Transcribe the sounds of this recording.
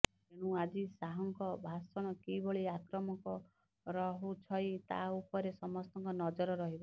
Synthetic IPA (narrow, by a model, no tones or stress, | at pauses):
t̪eɽ̃ũad͡ʒisaɦɔŋkɔbʱasɔɽ̃ɔkibɔɭiakɾɔmɔkɔ | ɾɔɦut͡ʃʰɔjt̪a̰upɔɾesɔmɔst̪ɔŋkɔnɔd͡ʒɔɾɔɾɔɦibɔ